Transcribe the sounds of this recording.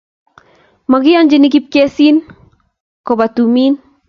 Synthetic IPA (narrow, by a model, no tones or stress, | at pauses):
maɡiand͡ʒinik̬ip̚kesin | kobat̪umin